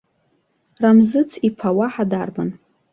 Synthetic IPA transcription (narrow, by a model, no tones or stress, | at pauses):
ramzɨt͡sʰipʰawaħadarban